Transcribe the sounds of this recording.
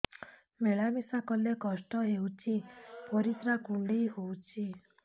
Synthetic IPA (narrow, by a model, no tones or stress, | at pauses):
meɭamisakɔlekɔsʈɔɦewt͡ʃʰipɔɾit̪ɾakuɳɖejɦowt͡ʃʰi